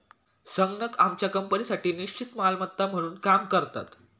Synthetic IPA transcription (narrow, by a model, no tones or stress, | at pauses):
səŋɡnəkamt͡ɕjakəmpənisaʈiːniɕt͡ɕit̪malmət̪ːam̤əɽ̃uːnkamkəɾt̪a̰t̪